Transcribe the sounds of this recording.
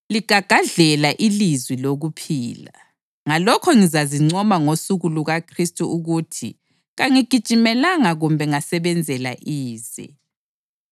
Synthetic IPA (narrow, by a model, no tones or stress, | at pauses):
liɡ̥ʱaɡ̥ʱaɮɛlaʔilizwiloɣupʰiːla̰ | ŋalɔkʰɔŋizaziŋ͡ǀɔmaŋosuɣuluɣakʰristʼuʔuɣutʰḭ | ɣaŋiɡ̥ʱid̥t͡ʃʼimɛlaŋaɣumbʱɛŋasɛβɛnd͡zʱɛla̰ʔiːzɛ̰